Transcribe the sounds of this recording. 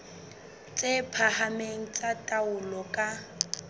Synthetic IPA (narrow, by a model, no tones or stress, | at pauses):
t͡sʼepʰahameŋ̩t͡sʼatʼaʊlɔkʼa